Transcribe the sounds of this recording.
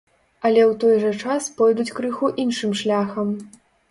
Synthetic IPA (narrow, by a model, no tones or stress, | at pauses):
ɐlʲɛwt̪ɔjʐɐt͡ʂaspɔjd̪ut͡sʲkɾɨxuʔinʂɨmʂlʲaxɐm